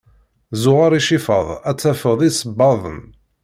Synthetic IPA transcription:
zʊʁaɾˤiʃifə̰ðˤæt͡sːæfəðˤisəbːɑðˤə̰m

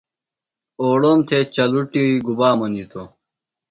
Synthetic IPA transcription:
oːɽoːmt̪ʰet͡ɕɐluʈiiɡubaːmɐnit̪ʰo

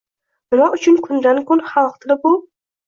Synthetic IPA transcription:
mɪnɒʔʊt͡ʃʰʊnkʰʊnd̪ankʰonχɑlˠqt̪ʰɪlɪpʊ

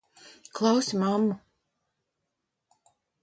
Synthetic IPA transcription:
klˠawsimamːu

